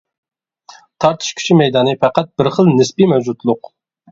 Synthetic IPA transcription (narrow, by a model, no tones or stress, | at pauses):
t̪ʰɑɾt̪ʰɨ̥ʃkʲʰy̥ʃimɛjd̪ɑːnɨfæqæt̪̚bɪɾχəlˠnɪsbimɛwd͡ʒut̪lˠʊq